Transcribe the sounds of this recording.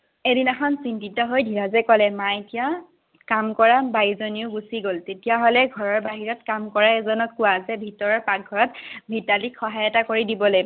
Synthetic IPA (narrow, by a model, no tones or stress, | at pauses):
edinɛxɔnsintitɔɦojdʱiɹazɛkɔlɛmaetija | kamkɔɹabajzoniʊɡusiɡoltetijaɦolɛɡʱɔɹɔɹbaɦiɹɔt̚kamkɔɹaɛzɔnɔkːʊazɛbʱitɔɹɔɹpak̚ɡʱɔɹɔt̚bʱitalikʰxɔɦajɔtakoɹidibɔloj